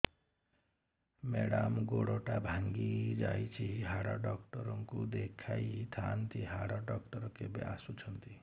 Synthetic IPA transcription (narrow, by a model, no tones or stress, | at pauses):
meɽamɡoɽɔʈabʱaŋɡid͡ʒajt͡ʃʰiɦaɽaɖɔkʈɔɾɔŋkud̪ekʰajt̪ʰant̪iɦaɽaɖɔkʈɔɾɔkebea̰sut͡ʃʰʌnt̪i